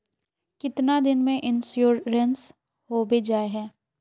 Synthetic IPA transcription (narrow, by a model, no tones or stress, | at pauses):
kɪt̪nad̪ɪnmẽʔɪnsjoːɾɾəns | hoːbed͡ʒaːeɦɛ̃ː